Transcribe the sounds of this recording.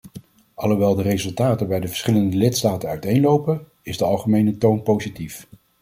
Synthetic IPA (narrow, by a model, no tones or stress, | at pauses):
ɑlˠowʋɛlˠdərezɵlˠtaːtəbɛjdəvəɹsχɪləndəlɪtstaːtənœɥtejnlowpən | ɪzdəɑlˠχəmejnətownpowzitif